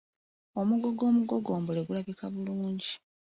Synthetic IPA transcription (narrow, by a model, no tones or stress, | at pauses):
o̞muɡo̞ɡo̞ːmuɡo̞ɡo̞ːmbole̞ɡulaβikʰaβuluːɲɟi